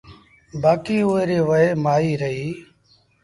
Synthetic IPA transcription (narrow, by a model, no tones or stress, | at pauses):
baːkiːoːeɾeːʋəeːmaːiːɾəɦiː